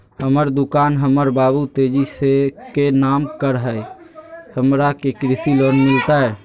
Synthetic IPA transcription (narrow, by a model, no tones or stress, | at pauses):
həməɾd̪ukaːnɦəməɾbaβut̪ed͡ʒisekenaːmkəɾɦəj | həmɾakekɾɪsilonmɪlt̪aɛ